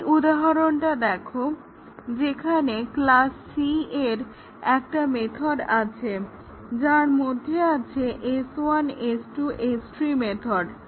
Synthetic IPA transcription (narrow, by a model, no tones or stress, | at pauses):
ʔud̪aɦaɾonʈad̪ɛkʰo | d͡ʑekʰaneklasːieɾ | ɛkʈamet̪ʰoɖat͡ɕʰe | d͡ʑaɾmod̪ʱːeat͡ɕʰeʔesanesʈuʔesʈɾimet̪ʰoɖ